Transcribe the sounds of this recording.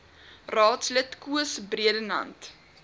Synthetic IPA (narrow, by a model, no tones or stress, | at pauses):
rɑːtslətkuəsbriədənɐ̰nt